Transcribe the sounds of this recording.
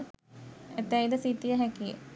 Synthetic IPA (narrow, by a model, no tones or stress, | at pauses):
et̪æjid̪əsit̪ijəɦɛkijə̰